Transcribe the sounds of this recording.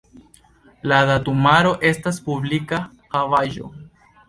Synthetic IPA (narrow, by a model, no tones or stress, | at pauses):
ladatumaɾo̞ʔe̞staspublika | xavaʒo̞̰